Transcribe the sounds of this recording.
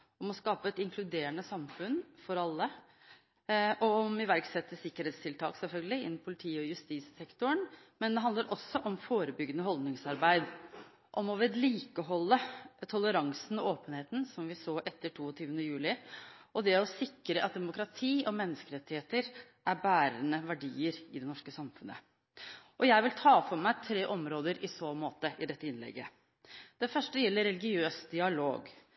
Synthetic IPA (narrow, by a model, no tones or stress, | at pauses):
ɔmɔskɑːpəɛt̪ɪŋkʰlʉd̪eːəɳəsɑmfʉnfɔɾɑlːə | ʔɔɔmɪʋæɾksɛt̪ːəsɪkːəɾeːt̪st̪ɪlt̪ʰɑ̰ːksɛlfœlɡəlɪɪnːmpʰʊlɪt̪ʰiːɔjʉst̪iːssɛkt̪ʊəɳmɛnd̪ɛɦɑnd̪əɾʔɔsːɔʔɔmfoːɾəbʏɡːənəɦɔld̪nɪŋsɑɾbæɪd̪ | ʔɔmɔʋɛd̪liːkəɦɔlːət̪ʰɔləɾɑŋsn̩ɔoːpənheːt̪n̩sɔmʋɪsoːʔɛt̪ːəʈʰuːɔt̪ʰyːʋənəjʉːlɪʔɔd̪ɛɔsɪkːɾəʔɑt̪̚d̪ɛmʊkɾɑt̪ʰiːɔmɛnːəskəɾɛt̪ːɪheːt̪əɾ | ʔæɾbæːɾənəʋæɖiːəɾɪd̪ɛnɔʂkəsɑmfʉnə̰ | ʔɔjæɪʋɪlt̪ʰɑːfɔɾmæɪt̪ʰɾeːʔɔmɾoːd̪əɾʔɪsoːmoːt̪əʔɪd̪ɛt̪ːəɪnlɛ̰ɡːə | d̪̥ɛfœʂʈəjɛlːəɾːɛlɪɡɪøːsd̪ɪɑlo̰ːɡ